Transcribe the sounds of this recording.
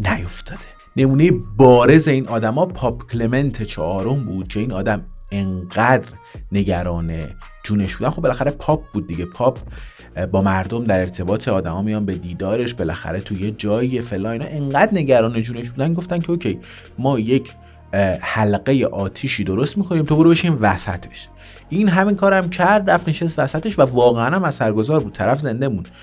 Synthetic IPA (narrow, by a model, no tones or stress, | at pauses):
næjoft̪ʰɒːd̪̥e | ne̞muːne̞jebɒːɾe̞ze̞iːnʔɒːd̪æmɒːpʰɒːpʰcʲʰleme̞nt̪ʰe̞t͡ʃʰɒ̰ːʔɒːɾo̞mbuːd̪̥̚cʰe̞iːnɒːd̪æmeɴɢæːd̪ɾne̞ɟæɾɒːne̞d͡ʒuːne̞ʃbud̪ænxobelæxæɾepʰɒːp̚ʰb̥uːd̪̚ːiɟe̞pʰɒːp̚ʰ | bɒːmæɾd̪omd̪æɾe̞ɾt̪ʰe̞bɒːt̪ʰeɒːd̪æmɒːmijɒːnbe̞d̪iːd̪ɒːɾe̞ʃbe̞læ̰xæ̰ɾe̞t̪ʰuje̞d͡ʒɒːiefelɒːninɑ̰ʔe̞ŋɢæd̪ne̞ɟæɾɒːne̞d͡ʒuːne̞ʃbuːd̪ænɡo̞ft̪æncʰeoːcʰej | mɒːje̞cʰ | hælɢe̞je̞ʔɒːt̪ʰiːʃiːd̪oɾo̞st̪miːkʰo̞niːmt̪ʰoboɾubeʃimvæsæ̰t̪ʰe̥ʃ | ʔiːnɦæminkʰɒːɾæmcʰæɾd̪ræfneʃest̪væsæt̪e̞ʃvævɒːɣeænæmæsæɾɡo̞zɒːɾbuːt̪̚t̪ʰæɾæfze̞nd̪e̞mũnd̪̥